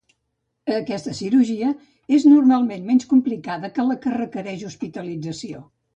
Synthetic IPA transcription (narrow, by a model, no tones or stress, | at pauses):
əkɛst̪əsiɾuʒiə | eznurmalˠmenmɛnskumplikaðəkələkərəkəɾɛʒuspit̪əlid͡zəsio